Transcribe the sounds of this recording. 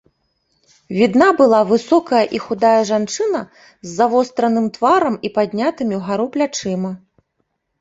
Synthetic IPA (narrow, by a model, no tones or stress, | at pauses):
vʲid̪nabɨlˠavɨsɔkɐjɐʔixud̪ajɐʐant͡ʂɨnɐ | zːavɔst̪ɾɐnɨmt̪vaɾɐmipad̪ʲnʲat̪ɨmʲiwɣaɾuplʲat͡ʂɨmɐ